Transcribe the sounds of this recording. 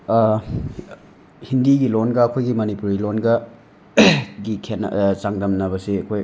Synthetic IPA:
hindiɡilonɡɐːkʰojɡimɐnipuɾilonɡɐ | ɡikʰen̰t͡ʃaŋdɐmnɐβɐsiɐkʰoj

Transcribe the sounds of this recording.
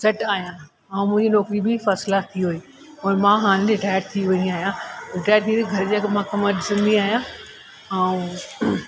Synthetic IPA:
sɐʈaːɦijã | ɐ̃ũmʊ̃ɦɪ̃ɲd͡ʑinɔːkɾibɪfɐslat̪ʰiɦʊiː | oːɾmãɦaːñɪ̃d͡ʑeʈaːjəʈ̚t̪ʰiʋɐ̃ɲiaːɦijãʈaːəʈ̚t̪ʰit̪iɡʱɐɾd͡ʑakmãkɐməɗɪsə̃nd̪iaːɦijãː | ɐũ

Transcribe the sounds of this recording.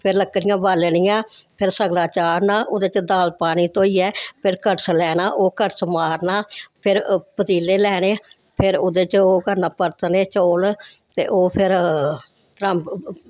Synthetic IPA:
pʰɪɾləkːnɪjãːʋaːlnɪjãːpʰɪɾsəɡlaːt͡ʃaːɾnaːʔʊd̪eːt͡ʃd̪aːlpaːñiːt̪oːiːɛːpʰɪɾkəʈslɛːnaːʔoːkəɾsəmaːɾnaːpʰɪɾpət̪iːleːlɛːɽeː | pʰɪɾʊd̪eːt͡ʃoːkəɾnaːpəɾt̪neːt͡ʃoːlt̪ḛːʔoːpʰɪɾ | t̪ɾəmp

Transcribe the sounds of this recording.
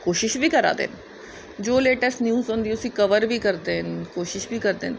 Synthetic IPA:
koːʃɪʃbʱikɐɾa̰ːd̪ḛːn | d͡ʒoːleːʈəsʈnjuːzɦõːnd̪iʊsikɐʋəɾbʱikɐɾd̪enkoːʃɪʃbʱikɐɾd̪ḛːn

